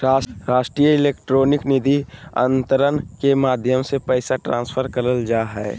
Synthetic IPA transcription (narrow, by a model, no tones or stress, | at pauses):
ɾaːɾaːʃʈɾijəɪleːkʈɾoːnɪknɪd̪ʱiə̰̃nt̪əɾənkemaːd̪ʱjəmsepɛːsaʈɾãːnsfʰəɾkəɾəld͡ʒaːɦɛː